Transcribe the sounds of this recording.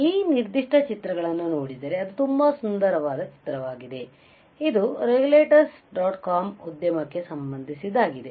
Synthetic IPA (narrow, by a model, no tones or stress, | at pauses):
iːniɾd̪iʂʈʰɐt͡ʃit̪ɾɐɡɐɭɐnːuno̞ːɽid̪ɐɾe̞ɐd̪ut̪umbɐsund̪ɐɾɐʋaːd̪ɐt͡ʃi̥t̪ɾɐʋaːɡid̪e̞ | id̪uɾeɡuleːʈɐɾsɖaːʈkaːmud̪jɐmɐkːe̞sɐmbɐnd̪ʱisid̪aːɡid̪e̞